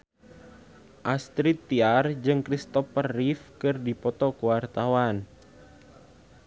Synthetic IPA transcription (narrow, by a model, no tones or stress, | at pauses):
ʔast̪ɾit̪ːiard͡ʒɨŋkɾist̪ɔfərːifkɨrdipɔt̪ɔkəwart̪awan